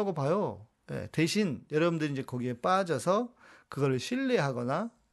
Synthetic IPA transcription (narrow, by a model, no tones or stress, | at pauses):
ɡopajo | jḛteɕʰinjʌɾʌbundɯɾind͡ʑe̞kʌɡie̞p͈ad͡ʑʌsʰʌ | kɯɡʌɾɯɭɕʰiɭːeɦaɡʌna